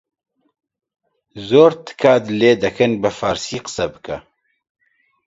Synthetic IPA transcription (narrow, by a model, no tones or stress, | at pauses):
zoːɾt̪ʰɨ̥kʰaːd̪ɨleːd̪ɛkʰɨnbɨfaːɾsiːqə̥sɛbɨ̥kʰɛ